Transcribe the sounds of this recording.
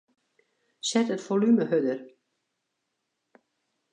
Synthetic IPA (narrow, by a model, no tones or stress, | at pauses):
sɛtətfolyməhødər